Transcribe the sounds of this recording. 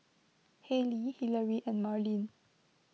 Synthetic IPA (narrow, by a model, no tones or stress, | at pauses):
hɛlihiləɹiʔɛ̃nmaɹlĩn